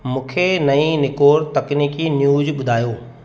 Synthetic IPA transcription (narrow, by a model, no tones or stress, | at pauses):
mũːkʰenɐĩnɪkoːɾt̪ɐkniːkinjuːzɓʊd̪ʱaːjoː